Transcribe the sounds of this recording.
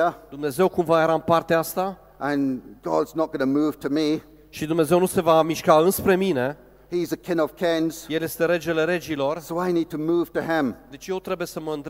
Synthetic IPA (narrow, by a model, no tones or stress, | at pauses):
əd̪umne̞ze̞wkumvajeɾampart̪eaast̪a | ʔə̃nɡ̥ɑ̰dznət̚ɡ̥ʌnəmuv̥tʰɨmi | ʃid̪umne̞ze̞wnuse̞vamiʃkaɨnspɾe̞mine̞ | hizəkʰɪ̃nʌv̥kʰɪ̃nz̥je̞lje̞st̪e̞ɾe̞d͡ʒe̞le̞ɾe̞d͡ʒilo̞rsoʊaɪnid̚tʰəmuv̥tɨɪ̃md̪e̞t͡ʃʲje̞wt̪ɾe̞buje̞səməɨnt̪